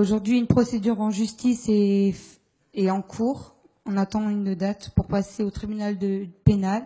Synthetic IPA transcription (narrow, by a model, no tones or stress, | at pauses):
oʒuʁd̪ɥiynpχɔsed̪yʁɑ̃ʒyst̪ise | eɑ̃kʰuːʁ | ɔ̃nat̪ɑ̃ynəd̪at̪puʁpaseot̪χibynald̪əpenal